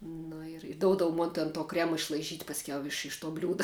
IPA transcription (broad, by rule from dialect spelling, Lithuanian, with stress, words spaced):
nʊ ɪr ˈdoːʊdɐʋʊ ˈmoːn tʲɛn toː ˈkrʲæːmɐ ɪʃlˠɐɪˈʒʲiːtʲ pɐsʲˈkʲɛʊ ˈɪʃ ɪʃ toː ˈbʲlʲuːdɐ